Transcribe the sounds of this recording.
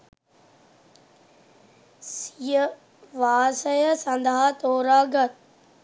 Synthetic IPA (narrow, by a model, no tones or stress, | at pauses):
sijə | ʋaːsəjəsɐ̃nd̪ʱaɦt̪oːɾaːɡət̪̚